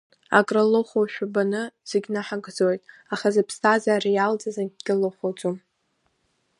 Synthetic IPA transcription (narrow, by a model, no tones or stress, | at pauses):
a̰kʼraloχʷoʃᶣabanɨz̥eɡʲnaħaɡd͡zojtʼaχazapʰstʰazaːrijald͡zʼazaɡʲɡʲɪloχʷot͡sʼom